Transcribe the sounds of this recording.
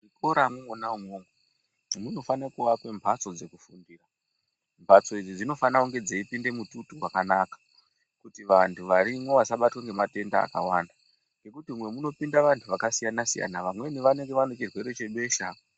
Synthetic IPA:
ʐiko̞ɾamwŋonaumoːŋɡo | muno̞fanakuʋakwe̞mbʱat͡so̞d͡ze̞kufundiːra | mbʱat͡so̞id͡zid͡zino̞fanauŋɡe̞d͡zaipinde̞mututuwakanakḁ | kutiʋantʰuʋaɾimwo̞ʋasaɓatwaŋɡe̞mate̞nda̰ːka̰wanda | ŋɡe̞kutimwe̞muno̞pindaʋantʰuʋakasijanasija̰naʋamwe̞niʋane̞ŋɡe̞ʋano̞t͡ʃirwe̞ɾo̞t͡ʃe̞ɓe̞ːʃa

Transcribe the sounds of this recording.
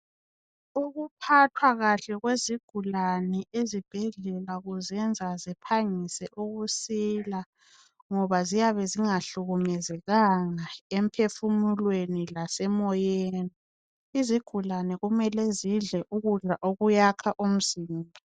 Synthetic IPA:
uɣupʰatʰwaɣaɬɛɣweziɡ̥ʱulanɛʔezib̥ʱɛɮɛlaɣuzɛnd͡zʱazipʰaŋisɛʔuɣusila | ŋɔβazijaβɛziŋaɬuɣumɛzɛɣaŋaem̩pʰefumulwenilasɛmɔjeːni | iziɡ̥ʱulanɛɣumɛlɛziɮɛʔuɣuɮaʔoɣujakʰaʔum̩ziːmbʱa

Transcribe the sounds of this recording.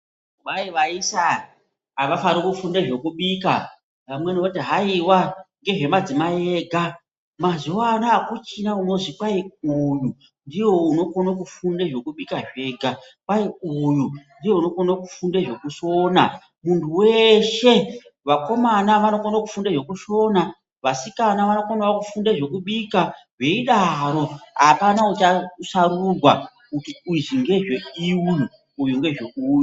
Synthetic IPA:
uɓaiʋaisa | aʋafaɾokufundeʐo̞kuɓika | ʋamwenotiɦaiwaŋɡe̞ʐe̞mad͡zimajeɡʱa | mazuwanaːkut͡ʃinauno̞zikaiuju | ndiwo̞uno̞konok̬ufundeʐo̞kuɓikaʐe̞ːɡʱa | kaiujundiwe̞uno̞konakufundeʐo̞kuʃo̞na | muntʰuweʃe̞ | ʋako̞manaʋano̞konokufundeʐo̞kuʃo̞na | ʋasikanaʋano̞konawakufundeʐe̞kuɓikaʐe̞iɗaɾo̞ɦa̰panaut͡ʃasaɾurwa | kutiuiʐiŋɡe̞ʐe̞iwu | ujuŋɡe̞ʐokuːja

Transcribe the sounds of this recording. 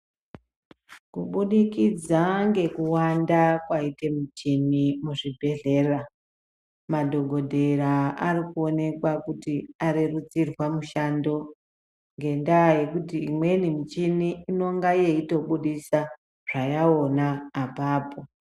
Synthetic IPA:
kuɓuɗikid͡zaŋɡe̞kuwandakwaite̞mit͡ʃinimuʐibʱe̞ɮe̞ːra | madʱo̞ɡʱo̞dʱe̞ɾaarikuo̞ne̞kwakutiaɾirut͡sirwamuʃando̞ | ŋɡe̞ndaːje̞kutiimwe̞nimit͡ʃiniːno̞ŋɡajeito̞ɓuɗisa | ʐ̥ajao̞naːpaːpo̞

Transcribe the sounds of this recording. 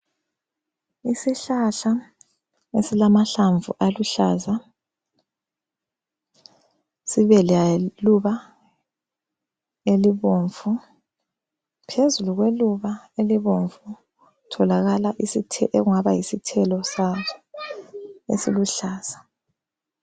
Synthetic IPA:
isiɬaɬa | esilamaɬaɱvṵʔaluɬaːza | siβɛlaluβa | eliβoɱvu | pʰezuluɣweluβaeliβoɱvu | tʰɔlaɣalaʔisitʰɛʔeɣuŋaβajisitʰɛlɔsatʰu | ḛsiluɬaːz̥a

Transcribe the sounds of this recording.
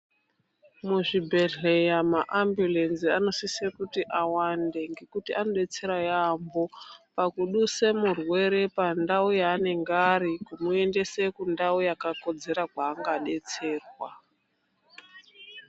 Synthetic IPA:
muʐibʱe̞ɮe̞jamaʔambjule̞nsiano̞sisekutiʔawande̞ŋɡe̞kutiano̞ɗe̞t͡se̞ɾajambo̞pakuɗuse̞murwe̞ɾe̞pandaujaːne̞ŋɡaɾikumue̞nde̞se̞kundaujakako̞d͡ze̞ɾakwaːŋɡaɗe̞t͡se̞ːrwa

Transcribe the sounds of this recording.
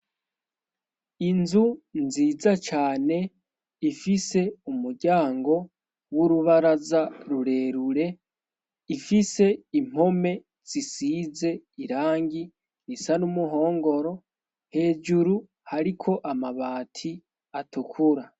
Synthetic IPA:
inzunziːzat͡ʃaːne̞ | ifise̞umuɾɟaːŋɡo̞ | wuɾuβaɾazaɾuɾe̞ɾuɾe̞ | ifise̞im̥o̞me̞ | z̥isiːze̞iɾaːŋɡi | nisanumuɦo̞ːŋɡo̞ɾo̞ | he̞ːd͡ʒuɾu | haɾikʰo̞ʔamaβaːtʰi | atukʰuɾa

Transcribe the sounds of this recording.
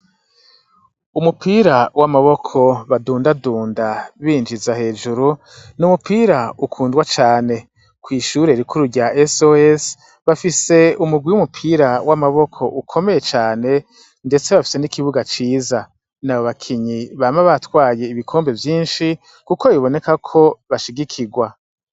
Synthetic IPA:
umupʰiːɾawamaβo̞kʰo̞βaduːndaduːndaβiːnd͡ʒizahe̞ːd͡ʒuɾu | numupiːɾaukʰuːndɡwat͡ʃaːne̞ | kwiːʃuɾe̞ɾikʰuɾuɾɟaʔesoes | βafise̞umuɡwiwumupʰiːɾawʔamaβo̞kʰo̞ʔukʰo̞me̞je̞t͡ʃaːne̞ | nde̞t͡se̞βafi̥se̞nikʰiβuɡat͡ʃiːza | naβoβakʰiɲiβamaβatwaːje̞iβikʰo̞ːmbe̞vjiːnʃi | kukoiβo̞ne̞kakʰo̞βaʃiɡikʰiɡwa

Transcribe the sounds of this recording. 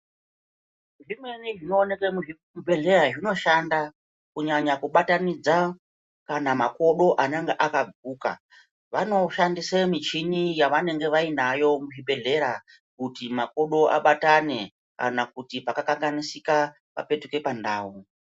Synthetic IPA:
ʐimwe̞niʐino̞ːne̞kemui | be̞ɮe̞ɾaʐino̞ʃanda | kuɲaɲakuɓatanid͡za | kanamako̞ɗo̞ʔane̞ŋɡeʔakaɡʱuːka̰ | ʋano̞ʃandisemit͡ʃinijaʋane̞ŋɡe̞ʋainajo̞muʐiɓe̞ɮe̞ɾa | kutimako̞ɗo̞ʔa̰ɓatane̞ | ka̰nakutipakakaŋɡanisika | pa̰pe̞tuke̞pandaːu

